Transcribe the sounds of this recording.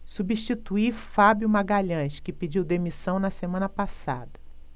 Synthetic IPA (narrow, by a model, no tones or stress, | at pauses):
subiʃt͡ʃit̪uifabjʊmaɡaʎɐ̃ʃkɪpid͡ʒiwd̪emisɐ̃w̃nɐsemɐ̃nɐpasa̰d̪ɐ